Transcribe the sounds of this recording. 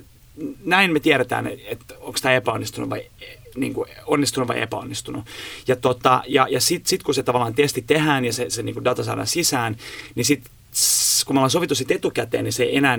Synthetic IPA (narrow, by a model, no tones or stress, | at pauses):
næinmet̪iæɾet̪æ̰ːnḛet̪oŋkst̪æepæonːist̪unuʋɑ̰ie | nḭːŋkuonːist̪unuʋʋɑ̰ḭʔḛpæo̰nːist̪unujɑt̪ot̪ɑjɑ̰jɑsit̪sit̪kuset̪ɑʋɑlːˑɑːnt̪est̪it̪ehæːnjɑsesenḭːŋkudɑt̪ɑsɑ̰dɑ̰nsisæːnnisit̪ | kumolensoʋit̪ːusit̪et̪ukæt̪ḛːnniseienæː